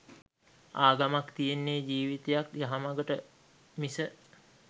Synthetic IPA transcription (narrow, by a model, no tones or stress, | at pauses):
aːɡamakt̪ijenːeːd͡ʒiːʋit̪ejakjaɦamaɡəʈə | misə